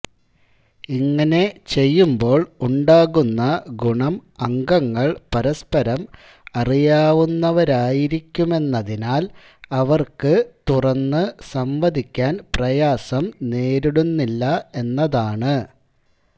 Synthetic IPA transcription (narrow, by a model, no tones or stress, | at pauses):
iŋːɐne̞t͡ɕe̞jːumbo̞ːɭuɳɖaːɣunːɐɡuɳɐmɐŋɡɐŋːɐɭpɐɾɐspɐɾɐm | ɐrijaːʋunːɐʋɐɾaːjiɾikʲːume̞nːɐðinaːl | ɐʋɐrkɨt̪urɐnːɨsɐmʋɐd̪ʱikʲːaːnprɐjaːsɐmne̞ːɾiɽunːilːɐe̞nːɐðaːɳɨ